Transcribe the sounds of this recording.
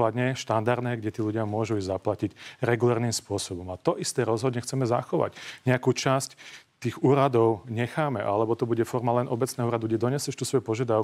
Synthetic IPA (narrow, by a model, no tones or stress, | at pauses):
lad̪ɲɛʃt̪and̪aɾd̪nɛːɡɟɛt̪iːluɟɪamʊɔʒuizaplacicɾɛɡulɛɾniːmspʊɔsɔbɔmat̪ɔʔist̪ɛːɾɔzɦɔd̪ɲɛxt͡sɛmɛza̰xɔʋa̰ɟɲɛakuːt͡ʃasct̪iːɣuːɾad̪ɔʊɲɛxaːmɛʔalɛbɔt̪ɔbuɟɛfɔɾmalɛnʔɔbɛt͡snɛːɦɔuːɾad̪uɡɟɛd̪ɔɲɛsjɛʃt̪usʋɔjupɔʒɪad̪aʊ